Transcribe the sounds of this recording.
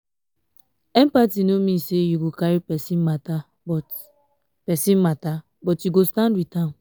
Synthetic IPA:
ɛ̃mpatinomĩsejuɡokaɹipɛsĩnmata | bɔt | pɛsĩnmata | bɔtjuɡostãndwitã

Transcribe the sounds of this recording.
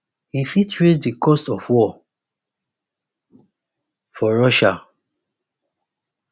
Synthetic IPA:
hifitʰɹesdikɔstɔfwɔ | fɔɹɔʃa

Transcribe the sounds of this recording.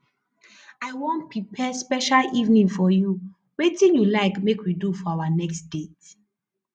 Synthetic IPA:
aɪwõnt̚pɹipʰɛspɛʃalivnĩŋfɔju | wetĩnjulaɪkmekwidufɔawanɛksd̥et

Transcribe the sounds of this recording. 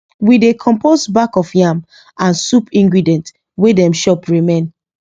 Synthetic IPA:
widekʰɔ̃mposbakɔfjãm | ãnsupĩŋɡɹidɛ̃nt | wedɛ̃mʃɔpɹimẽn

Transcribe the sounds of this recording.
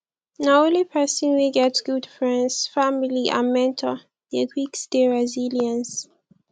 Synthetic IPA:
naõlipʰɛsĩnwiɡɛtɡ̥udfɹɛ̃ndsfamiliʔã̰nmɛ̃ntʰɔ | dəɡwiksdeɹɛziljə̃ns

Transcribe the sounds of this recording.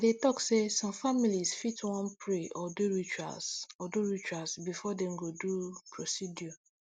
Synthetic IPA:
detɔksesɔ̃mfamilizfitwɔ̃npɹeʔɔduɹit͡ʃa̰sɔduɹit͡ʃuasbifɔdɛm̩ɡodupʰɹosidjɔ

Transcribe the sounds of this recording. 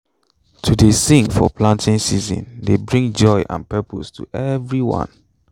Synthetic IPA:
tʰudesĩŋfɔ̰pʰlãntʰɪ̃ŋsizɔ̰̃ndebɹĩŋd͡ʒɔɪʔã̰npɛpʰostʰṵʔɛvɹiwɔ̰̃n

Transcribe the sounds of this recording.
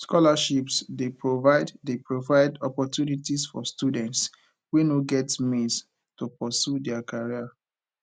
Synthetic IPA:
skɔlaʃipsdepɹovaɪddepɹovaɪdɔpɔtjunitisfɔ̰studɛ̃nts | winoɡɛtmĩs | tupɔsjudɛakaɹia

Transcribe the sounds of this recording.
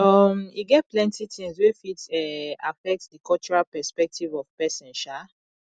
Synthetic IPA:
ɔmiɡɛt̚plɛ̃ntitĩŋswifitɛafɛk̚tdikʰɔlt͡ʃuɹalpɛspɛk̚tʰivɔv̥pɛsɛ̃nʃa

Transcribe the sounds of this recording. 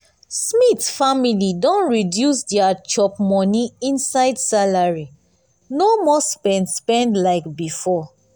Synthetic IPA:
smitfamilidɔ̃nɹidjusdɛat͡ʃɔp̚mɔniĩnsaɪdsalaɹi | nomɔspɛ̃ndspɛ̃ndlaɪkbifɔ

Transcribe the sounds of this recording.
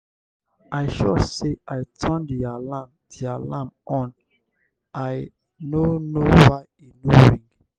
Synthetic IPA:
ʔaɪʃɔseʔaɪtʰə̃ndialãmdialãmʔɔ̃n | aɪ | nonowaj | enoɹĩŋɡ

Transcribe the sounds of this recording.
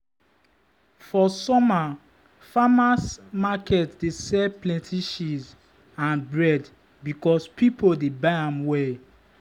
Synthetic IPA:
fɔsɔma | famasmakɛtdesɛplɛ̃ntʰiʃiz | ãnbɹɛd | bikɔspʰipʰodebaɪãmwɛ

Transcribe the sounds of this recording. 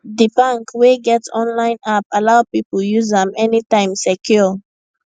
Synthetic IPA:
dibãŋkweɡɛtɔ̃nlãɪ̃napalaʊpipəl̩juzãmɛnitãɪ̃msɛkʰjɔ

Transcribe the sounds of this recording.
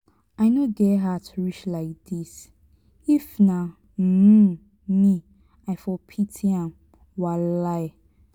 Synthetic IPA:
aɪnoɡɛɦatʰuɹit͡ʃlaɪk̚d̥is | ifna | m̩ | mi | aɪfɔpʰitʰiãm | walaɪ

